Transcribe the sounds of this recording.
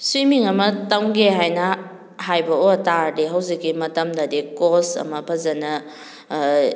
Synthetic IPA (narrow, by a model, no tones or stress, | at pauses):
swimiŋɐmɐtawɡeɦajnɐ | hajbɐotaɾdiɦɐwzikːimɐtɐmdɐdikosɐ̰mɐpʰɐzɐnɐ